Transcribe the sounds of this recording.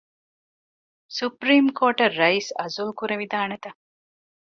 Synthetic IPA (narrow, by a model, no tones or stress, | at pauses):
supɾiːmkoːʈɐrːɐiːsɐzulkuɾeʋid̪aːnet̪ɐ